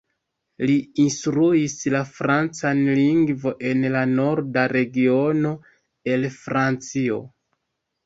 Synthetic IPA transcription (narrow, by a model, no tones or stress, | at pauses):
liinstɾuislafɾant͡sanliŋɡvo̞ʔe̞nlano̞ɾdaɾe̞ɡio̞no̞ | e̞lfɾant͡sio̞̰